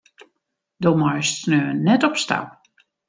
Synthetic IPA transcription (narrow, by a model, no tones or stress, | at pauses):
domɔjstsnøːənɛtɔpsta̰p